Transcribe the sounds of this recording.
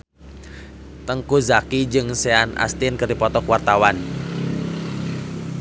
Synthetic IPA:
t̪əŋkuzakid͡ʒɨŋseanʔa̰st̪inkərdipɔt̪ɔkuwart̪awan

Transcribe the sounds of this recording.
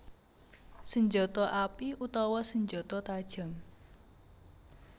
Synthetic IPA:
səɲd͡ʒɔt̪ɔʔapiʔut̪ɔwɔsəɲd͡ʒot̪ɔt̪ad̥ʒ̥a̤m

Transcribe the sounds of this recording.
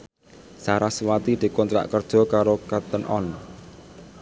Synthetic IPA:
saɾaswat̪id̪̥i̤kɔnt̪ɾa̰ʔkərd̥ʒ̥ɔ̤kaɾokat̪ənʔɔ̰n

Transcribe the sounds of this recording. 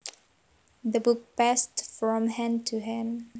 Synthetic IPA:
ðəbʊk̚pæstfɹɔ̃mhɛ̃mtʰuɦɪ̃m

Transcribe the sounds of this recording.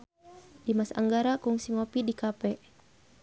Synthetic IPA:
dimasa̰ŋɡaɾakuŋsiŋɔpidikapɛ

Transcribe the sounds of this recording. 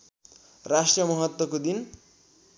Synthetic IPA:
rasʈrijʌmʌɦʌt̪wʌkod̪in

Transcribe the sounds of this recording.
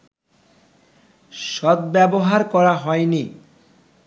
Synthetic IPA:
ʃɔd̪̚bɛboɦaɾkɔɾaɦɔeni

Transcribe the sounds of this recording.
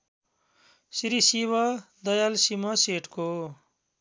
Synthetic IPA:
siɾisiβʌd̪ʌjalsimʌseʈko

